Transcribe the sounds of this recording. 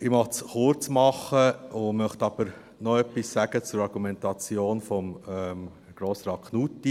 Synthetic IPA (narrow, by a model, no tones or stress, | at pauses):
ɪmɑχt͡sχʊɾt͡smɑχːəʊmœχt̪ɑb̥əɾ | nɔœpːissæɡ̥ət͡sʊɾɑɾɡ̥umɛntɑt͡sjoːnfɔmɛm | ɡ̥ɾoːsɾɑːtkʰnutːi